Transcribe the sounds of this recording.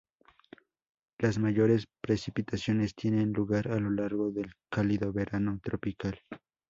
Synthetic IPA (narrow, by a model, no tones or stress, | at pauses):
lasmaʝoɾespɾesipit̪asjo̞nest̪jenenluɣaɾalolaɾɣoðe̞lkaliðoβeɾʔanot̪ɾopikal